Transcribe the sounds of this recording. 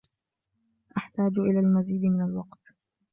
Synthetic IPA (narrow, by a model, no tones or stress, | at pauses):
ʔaħt̪aːd͡ʒʔɪlaːlmaziːd̪mɪnalwɑqt̪